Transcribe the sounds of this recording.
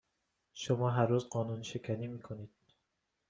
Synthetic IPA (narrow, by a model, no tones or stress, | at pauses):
ʃomɒːɦæɾɾuːzɢɒːnuːnʃe̞kʰæniːmiːkʰoniːd̪̥̚